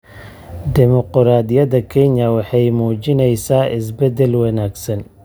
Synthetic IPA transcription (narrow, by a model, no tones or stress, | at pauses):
d̪ɪmɔqɾaːd̪jɐðɐkʰɛɲɐwɑħɑjmuːt͡ʃɪnɛjsaːʔɪs̬bɛd̪ɛlwɐnaːɡsɐn